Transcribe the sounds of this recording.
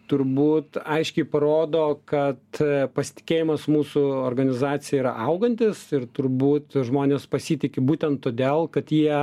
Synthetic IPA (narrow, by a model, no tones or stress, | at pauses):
t̪ʊɾbuːt̪ɐɪʃʲkʲɛɪpɐɾoːd̪oːkɐt̪pɐsʲɪ̥t̪ʲɪ̥kʲeːjɪmɐsmuːsʊoːrɡɐnʲɪzɑːt̪sʲɪjɛiɾɐʔɐʊɡɐnʲt̪ʲɪsɪɾt̪ʊɾbuːt̪ʒmoːnʲeːspɐsʲiːt̪ʲɪkʲɪbuːt̪ʲɛnt̪ːoːd̪ʲeːlˠkɐt̪jiɛ